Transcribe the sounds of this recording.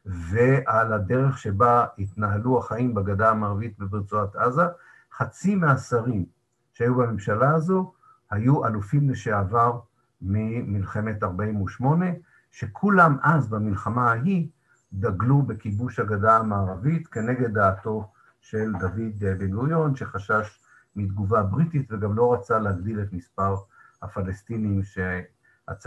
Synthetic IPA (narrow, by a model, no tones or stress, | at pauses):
ve̞ʔalade̞ʁe̞χʃe̞bait̪naɦaluaχaimbaɡadaamaːʁavit̚bebiʁt͡suataza | χat͡simeasaʁim | ʃeajubamemʃalaːzo̞ | hajuʔalufimleʃeavaʁ | mimilχe̞me̞taʁbaimuʃmo̞ne̞ | ʃe̞kʰulamʔazbamilχamaaɦi | daɡlube̞kibuʃhaɡadaamaːʁavitke̞ne̞ɡe̞d̪ːaːto̞ | ʃe̞ld̪avid̪ebeɡujo̞nʃe̞χaʃaʃ | mid̪ɡuvabʁititve̞ɡamlo̞ʁat͡saleaɡd̪iletmispaʁhafalestinimʃe | a̰t͡s